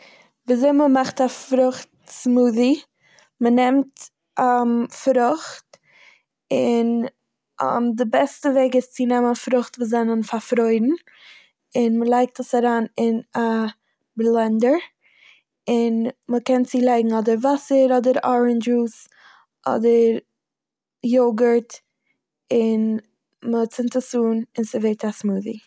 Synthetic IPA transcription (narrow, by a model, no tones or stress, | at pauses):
viːzeɪməmaχtafɾʊχtsmuːði | mənɛmt | afɾʊχt | ɪn̰ | mdɪbɛstəveɪɡɪst͡sɪnɛmənfɾʊχtvuːzɛnənfaɾfɾoɪdn̩ | ɪnməlˠaɪk̚təsaɾaːnɪna | blˠɛndəɾ | ɪnməkɛnt͡silˠaɪɡŋ̩ɔdəɾvasəɾɔdəɾɔɹənd͡ʒus | ʔɔ̰dəɾ | joɡəɾt | ɪn | mət͡sɪntəsuːnɪnsɪveɪtasmuːðḭ